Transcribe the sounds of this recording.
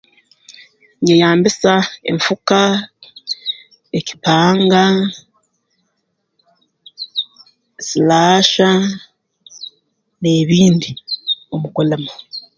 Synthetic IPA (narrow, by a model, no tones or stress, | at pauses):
ɲejaːmbisae̞̰ɱfuka | eci̥paːŋɡa | slaʃa | neːβiːndio̞mukolamo